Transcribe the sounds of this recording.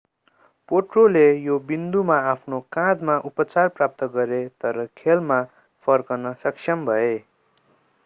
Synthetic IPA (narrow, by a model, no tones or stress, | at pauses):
poʈrolejobind̪umaapʰnokãd̪maʔupʌt͡sarprap̚t̪ʌɡʌɾet̪ʌɾʌkʰelma | pʰʌrkʌnʌsʌksʰjʌmbʱʌe